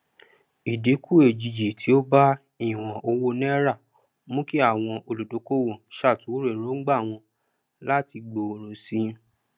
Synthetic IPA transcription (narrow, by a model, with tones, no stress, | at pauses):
i˨de˨˦kʰu˦e˨d͡ʒi˨d͡ʒi˨tʰi˨˦o˦ba˦ | i˦˨w̃ɔ̃˨ʔo˧wo˦nɛ̃˦ɾa˦˨ | mũ˦ki˦a˦˨w̃ɔ̃˧ʔo˧lo˨do˨˦ko˦˨wɔ̃˨ʃa˦˨tũ˨˦ɾe˦˨ɾo˨˦ŋ̩˦ɡ͡ba˦˨w̃ɔ̃˧ | la˦ti˧ɡ͡bo˧˨ɾo˨si˨˦